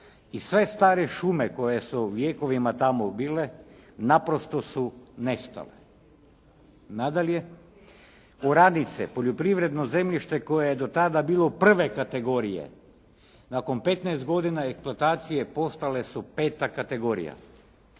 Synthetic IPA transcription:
isʋe̞st̪aːɾeʃume̞ko̞je̞suʋje̞ːko̞ʋimat̪amobiːle̞napɾo̞st̪o̞sunest̪a̰le | nad̪alje | oɾad̪nit̪sḛpo̞ʎopɾiʋɾe̞d̪no̞ze̞mʎiʃt̪e̞ko̞jejed̪o̞t̪ad̪abiːlˠo̞pr̩ʋe̞kat̪e̞ɡo̞ɾijḛ | nako̞npe̞t̪naest̪ɡo̞d̪inaeksplˠuat̪aːt̪sije̞po̞st̪ale̞supe̞ːt̪akat̪e̞ɡo̞ːɾḭja̰

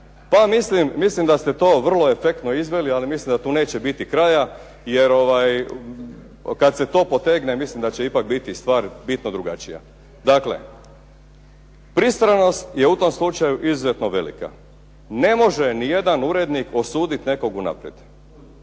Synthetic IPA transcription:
pamislimːislimd̪ast̪e̞t̪o̞ːʋr̩lˠo̞e̞fe̞k̚t̪noizʋelialimislimd̪at̪uːne̞ːt͡ɕebit̪ikɾaja | je̞ɾo̞ʋaj | kad̪set̪o̞ːpo̞t̪eɡnemislimd̪at͡ɕeipak̚bit̪ist̪ʋaːɾbit̪nod̪ɾuɡa̰t͡ʃija̰ | d̪aklḛ | pɾist̪ɾano̞st̪je̞ut̪o̞mslut͡ʃajuʔizuzet̪no̞ʋe̞̰lḭka̰ | ne̞mo̞ʒenije̞d̪anuɾed̪nikʰo̞suːd̪it̪ne̞ko̞ɡuna̰pɾjed̪̥

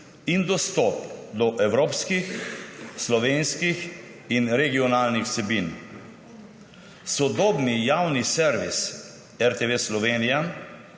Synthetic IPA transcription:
ind̪ɔst̪ɔpd̪ɔʔɛwɾoːpskixslɔʋeːnskix | inɾɛɡiɔnaːlnixsɛbiːn | sɔd̪ɔːbnijawnisɛɾʋis | ɛɾt̪eʋeslɔʋeːnija

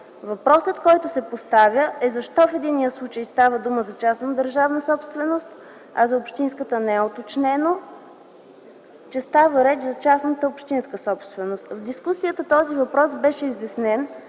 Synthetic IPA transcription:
vɐpɾɔsət̪kɔjt̪ʊsɛpost̪avʲjəʔɛzɐʃt̪ɔfɛd̪inːijəslˠut͡ʃəjst̪avəd̪uməzɐt͡ʃasnəd̪əɾʒavnəsɔpst̪vɛnost̪ | ɐzɐopʃt̪inskət̪ənɛɛot̪ot͡ʃnɛno | t͡ʃɛst̪avəɾɛt͡ʃzɐt͡ʃasnət̪əopʃt̪inskəsɔpst̪vɛnost̪vd̪iskusijət̪ət̪ɔzivɐpɾɔsbɛʃɛizjɐsnɛn

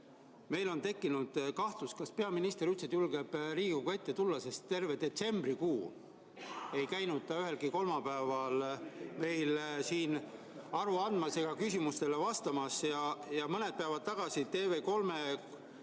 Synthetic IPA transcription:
me̞jlo̞nt̪e̞kːinud̪̥kɑht̪luskɑspe̞ɑminist̪eɾyt̪sed̪̥julɡe̞b̥riːɡ̥uɡɑe̞t̪ːe̞t̪ulːɑse̞st̪ːe̞rve̞d̪e̞t̪se̞mb̥rikuː | e̞jkæjnud̪̥̚t̪ɑyɦe̞lɡ̥iko̞lmɑpæevɑlme̞jlsiːn | ɑɾuɑnd̪mɑse̞ɡ̥ɑkysʲimust̪e̞le̞vɑst̪ɑmɑsjɑjɑmɤne̞d̪̚pæːvɑd̪̚t̪ɑɡ̥ɑsit̪e̞ːve̞ko̞lme̞

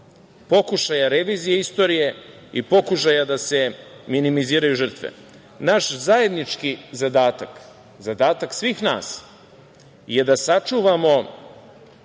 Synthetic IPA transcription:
po̞kuʃajaɾe̞ʋiːzijeist̪o̞ːɾije̞ | ipo̞kuʃajad̪ase̞minimiziːɾajuʒər̩t̪ʋḛ | naʃzajed̪nit͡ʃkizad̪aːt̪ak | zad̪aːt̪aksʋiːxna̰ːs | je̞d̪asat͡ʂuːʋamo̞

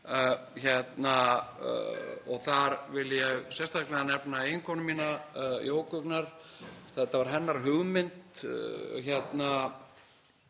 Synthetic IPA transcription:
çɛt̪na | ɔɣθaɾvɪljɛɣsjɛst̪aklɛɣanɛpnaejŋkʰɔnʏmːiːnajoːwkʏknaɾ̥t̪aɛt̪avaɾ̥ɦɛnːaɾ̥ɦʏɣmɪnt̪ | çɛt̪na

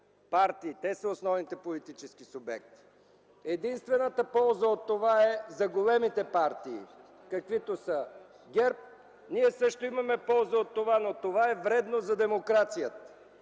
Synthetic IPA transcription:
paɾt̪iːt̪ɛsəosnɔvnit̪ɛpolit̪it͡ʃɛskisʊbɛ̰k̚t̪i̥ | ɛd̪inst̪vɛnət̪əpɔlˠzəot̪ːovaɛzɐɡolɛmit̪ɛpaɾt̪iː | kɐkvit̪osə | ɡʲɛɾp̚ | niɛsɤʃt̪oimɐmɛpɔlˠzəot̪ːovanot̪ovaɛvɾɛd̪nozɐd̪ɛmokɾat̪sijət̪ə

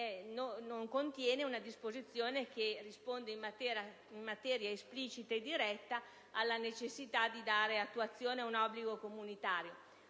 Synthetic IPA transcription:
ɛnonoŋkont̪jɛːneunad̪ispozit̪sːjoːnekerispond̪eimt̪ɛ | imːat̪ɛːɾjaespliːt͡ʃit̪aed̪ːiɾɛt̪ːa | alːanet͡ʃesːit̪ad̪id̪aːɾeat̪ːuat̪sːjoːneaunɔbːliɡokomunit̪aːɾjo

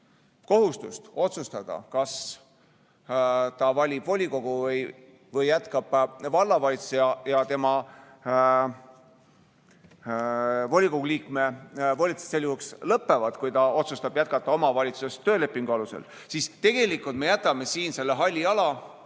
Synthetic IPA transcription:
ko̞ɦust̪ust̪o̞t̪sust̪ɑd̪̥ɑ̰kɑs | t̪ɑvɑlʲib̥vo̞lʲiko̞ɡ̥uvɤj | vɤjːæt̪kɑb̥vɑlːɑvɑlʲit̪su̥sejɑjɑt̪e̞mɑ | vo̞lʲiko̞ɡuliːkme̞volʲit̪su̥sselːjuhukslɤpːe̞vɑd̪̥kujt̪ɑo̞t̪sust̪ɑb̥jæt̪̚kɑt̪ːˑɑo̞mɑvɑlʲit̪susest̪ːø̞ːle̞pːˑiŋɡ̥uɑluse̞̰l | sist̪e̞ɡ̥e̞likult̪me̞jæt̪kɑme̞siːnse̞lːeɦɑlʲːiɑlɑ

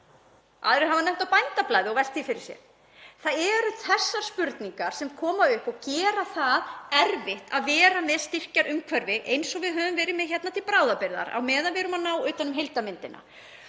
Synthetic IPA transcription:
ʔa̰ːðɾɪɾɦavanɛm̥t̪awpajnt̪aplajðɪɔɣvɛst̪θifɪɾɪɾ̥sjɛ̰ɾ | θaðɛɾʏθɛsːaɾ̥spʏɾt̪niŋkaɾ̥sɛmkʰɔːmaʏhpɔɣcɛːɾaθaðɛɾvɪht̪aðvɛːɾamɛðst̪ɪr̥caɾʔʏmkʰvœɾvɪʔejnsɔɣvɪðɦœːvʏmvɛːɾɪmɛðçɛt̪nat̪ʰɪlpɾaːwðapɪɾða̰ɾa̰wmɛːðavɛɾʏmanaːwʏːt̪anʏmɦejlt̪amɪnt̪ɪnʔa̰

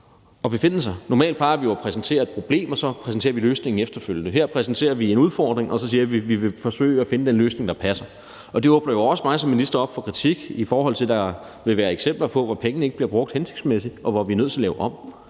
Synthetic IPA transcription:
ɒ̽b̥e̝fe̝n̰l̩sɑɪnɒmɛ̰ːld̥̚pʰɑ̈ːʋijoæpʰʁɛsn̩t͡sʰe̝̰ːɐed̥̚pʰʁo̝b̥le̝̰ːmɒ̽sɒ̽pʰʁɛsn̩t͡sʰe̝̰ːɐʋiløːsne̝ŋ̩efd̥ɐføl̰jənəɦeɐ̰pʰʁɛsn̩t͡sʰe̝̰ːɐʋie̝nuð̞ˠfɒ̰ːd̥ʁeŋʔɒ̽sɒ̽s̬iːɐʋiʋiʋe̝fɒ̽sø̰ːɪæfe̝nəd̥enløːsne̝ŋd̥ɑ̈pʰæsɐ | ʔɒ̽d̥e̝ɔ̽ːb̥nɐjoɒ̽smɑ̈ɪsɒ̽menlisd̥ɐɒ̽b̥fɒ̽kʰʁit͡sʰiɡ̥ifɒːhɒ̽l̰t͡sʰeld̥ɑ̈ | ʋe̝ʋæːɐeɡ̥sem̰b̥lɐpʰɒ̽ʋɒpʰeŋənəe̝ɡ̥ə̥b̥liɐb̥ʁɔ̽ɡ̥̚d̥hense̝ɡ̥d̥smesid̥ɒ̽ʋɒʋiɐnøð̰ˠt͡sʰe̝ɐlɛːʊʔɒ̽b̥̰

